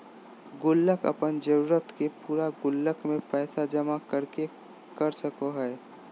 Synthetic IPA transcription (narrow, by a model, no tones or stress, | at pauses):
ɡʊlːəkə̰pənd͡ʒəɾuːɾət̪kepuːɾaɡʊlːəkmẽpɛːsad͡ʒəmakəɾke | kəɾsəkoɦɛː